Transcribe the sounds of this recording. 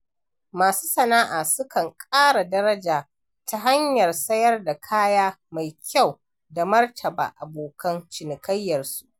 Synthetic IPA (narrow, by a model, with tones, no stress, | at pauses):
maː˨su̥ː˦sɐ˨naː˦ʔaː˨sʊ˦kɐ˨ŋkʼaː˦ɽa˨dɐ˦ɾɐ˦d͡ʒaː˨ | ta˦ɦa˦ɲjɐ˨rsɐ˦jɐ˦rda˨kʰaː˦jaː˦ma˨jkʲʰa˦˨w | da˨mɐ˦rtʰɐ˨ba̰ː˨ʔa˨boː˨kʰɐ˦nt͡ʃɪ˨nɪ˨kɐ˦jːɐ˨rsu˦ʔ